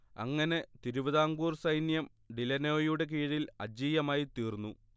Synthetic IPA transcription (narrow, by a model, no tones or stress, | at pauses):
ɐ̰ŋːɐne̞t̪iɾuʋɐðaːŋɡuːrsɐjnjɐm | ɖilɐnoːjuɽe̞k̬iːɻilɐ̰d͡ʑiːjɐmaːjit̪iːrnːu